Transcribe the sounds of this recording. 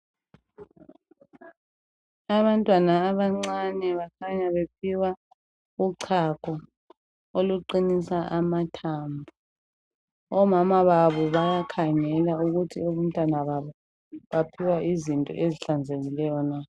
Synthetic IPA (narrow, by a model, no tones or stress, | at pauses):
aβantʼwanaːβaŋ͡ǀanɛβakʰaɲaβepʰiwa | uǀʰakʰɔ | oluǃinisaʔamatʰambʱu | ɔmamaβaβɔβajakʰaŋɛlauɣutʰioβum̩tʼwanaβaβɔ | βapʰiwaʔizintʼɔ̰ʔeziɬand͡zʱeɣilɛjɔna